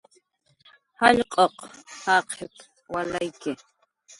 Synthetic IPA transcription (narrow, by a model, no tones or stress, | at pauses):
hɑʎqʼoqhɑqʰep | walajkɪ